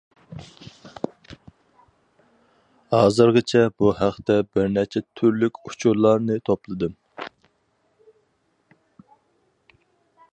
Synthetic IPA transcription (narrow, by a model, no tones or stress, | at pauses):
hɑːzɨɾʁɨt͡ʃʰɛbuhæχt̪ɛbɪɾnæt͡ʃʰɛt̪ʰyɾlykʲut͡ʃʰuɾlˠɑɾnɨt̪ʰoplˠɨd̪ɨm